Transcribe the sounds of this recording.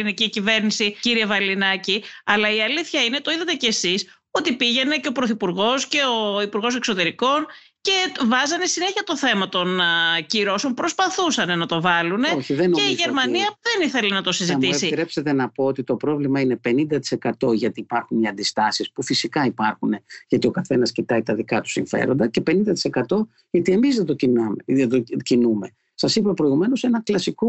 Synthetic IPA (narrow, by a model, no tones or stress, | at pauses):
iniciːcive̞ɾnisiciɾie̞vɐlinɐciɐlɐiɐliθçɐine̞t̪o̞iðɐt̪e̞cesis | o̞t̪ipiʝe̞ne̞ce̞o̞pɾo̞θipuɾɣo̞sce̞o̞ipuɾɣo̞s̬e̞kso̞t̪e̞ɾiko̞n | ce̞vɐzɐnesine̞çiɐt̪o̞θe̞mɐt̪o̞nciɾo̞so̞mpɾo̞spɐθusɐne̞nɐt̪o̞vɐlune̞oçiðenoeiʝe̞ɾmɐniɐðeniθelinɐt̪o̞siziɐmisit̪ɾepse̞t̪e̞nɐpoot̪it̪o̞pɾo̞vlimɐine̞pe̞nind̪ɐt̪i̥se̞kɐt̪o̞ʝɐt̪iːpɐɾxuniɐnd̪ist̪ɐsispufisikɐipɐɾxune̞ʝɐt̪io̞kɐθe̞nɐscit̪ɐit̪ɐðikɐt̪u̥siɱfe̞̰ɾo̞nd̪ɐce̞pe̞nind̪ɐt̪i̥se̞kɐt̪o̞ | ʝɐt̪ie̞mizðet̪ociet̪ocinume̞ | sɐsipɐpɾoiɣume̞no̞se̞nɐklɐsiko